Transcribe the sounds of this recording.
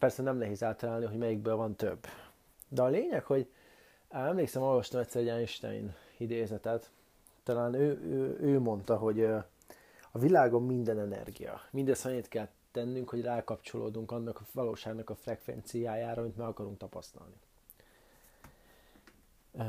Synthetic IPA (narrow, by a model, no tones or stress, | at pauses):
pɛrsɛnɛmlɛɦeːzaːlt̪ɒlaːlniɦoɟmɛjiɡ̚bøːlvɒnt̪ø̰bː | d̪ɛɒleːɲɛkho̞ɟ | aɛmleːksɛmo̞lvɒʃt̪ɒmɛt̪ʲsːɛɾroaːniʃt̪a̰ḭn | id̪eːzɛt̪ɛt̪ː | ɒlaːnøːøøːmo̞nt̪ɒɦo̞ɟ | ɒvilaːɡo̞mːind̪ɛnɛnɛ̰rɡḭjɒ̰mind̪ɛsɒnit̪kɛl | t̪ɛnːyŋkho̞ɟraːkɒpt͡ʃo̞lʔo̰ːd̪uŋkɒnːɒkɒvɒlo̰ːʃaːɡnɒkɒfrɛkʋɛ̰nt̪sijaːjaːɾɒmint̪maɒkɒɾuŋk̚t̪ɒpɒst̪ɒ̰lni